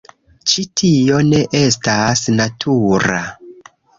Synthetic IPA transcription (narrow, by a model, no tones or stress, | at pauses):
t͡ʃitʰio̞ne̞ʔe̞stasnatʰuɾa